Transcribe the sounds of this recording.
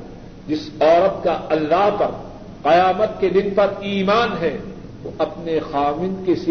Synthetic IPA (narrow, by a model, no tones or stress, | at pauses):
d͡ʒɪsɔːɾət̪̚kaɐlːaːɦpɐɾ | qɐjaːmət̪̚ked̪ɪnpɐɾiːmaːnɦɛː | t̪oʔɐpnexaːʋɪ̃nkesi